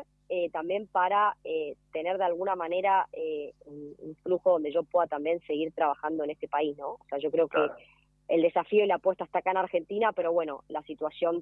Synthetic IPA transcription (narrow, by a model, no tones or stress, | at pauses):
et̪ambje̞mpaɾaet̪e̞ne̞ɾðealɣunamane̞ɾaeunṵɱfluxoðo̞nd̪e̞ʒo̞pwe̞ðat̪ambjense̞ɣiɾt̪ɾaβ̞axand̪oe̞ne̞st̪e̞paisnõ̞ose̞aʒo̞kɾe̞okeː | ld̪e̞safio̞ilapwest̪aest̪akaenaɾxe̞nt̪inape̞ɾo̞βwe̞no̞̰lasit̪wasjo̞n